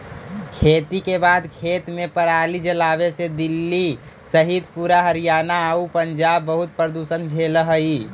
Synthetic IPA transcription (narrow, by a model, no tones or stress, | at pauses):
kʰeːt̪ikebaːd̪kʰeːt̪mẽpəɾaːlid͡ʒəlaːʋesed̪ɪlːi | səɦid̪puːɾaɦəɾijaːnaupəɲd͡ʒaːbːəɦʊt̪̚pɾəd̪uːsənd͡ʒʱeːləɦəi